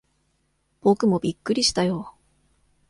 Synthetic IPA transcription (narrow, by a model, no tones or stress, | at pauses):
b̥o̞kɯ̟mo̞bʲikːɯ̟ɾʲiɕi̥t̪ajoː